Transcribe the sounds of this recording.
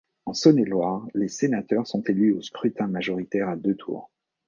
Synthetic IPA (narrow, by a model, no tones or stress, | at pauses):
ɑ̃sɔnelwaʁlesenat̪œʁsɔ̃t̪elyoskχyt̪ɛ̃maʒɔʁit̪ɛʁad̪øt̪ʰṵːʁ